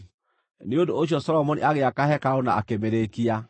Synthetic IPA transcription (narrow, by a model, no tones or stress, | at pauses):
neodooʃ̬ɔsɔlɔmɔnḭaɣeakahɛkaɾonaa̰kemeɾekia